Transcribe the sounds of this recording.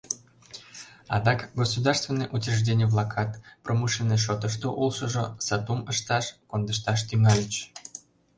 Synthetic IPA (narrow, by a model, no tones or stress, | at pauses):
ɑ̰d̪ɑkɡosud̪ɑrst̪vʲenːeʔutʲerʒdʲenʲɪjvlˠɑkʰɑt̪prʔomuʃineʃot̪əʃt̪oʔulˠʃəʒosɑt̪uməʃt̪ɑʃkond̪əʃt̪ɑʃt̪yŋɑlʲət͡ɕ